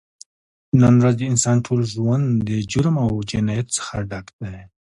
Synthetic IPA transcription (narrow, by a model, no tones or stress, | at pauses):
nanɾazd̪əɪnsɑːnʈʰolʒwand̪əd͡ʒʊɾmawd͡ʒɪnajat̪sə̥xaɖakd̪a